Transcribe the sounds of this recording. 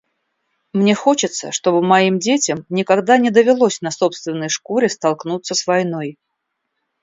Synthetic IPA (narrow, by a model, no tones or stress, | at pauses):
mnʲexo̞t͡ɕɪt̪sə̰ʂt̪o̞bɨmɐimdʲetʲɪmnʲɪkɐɡd̪anʲɪd̪əvʲɪlˠosʲnɐso̞pst̪vʲɪnːəjʂkoɾʲɪst̪ɐlˠknut̪sːəsvɐjnoj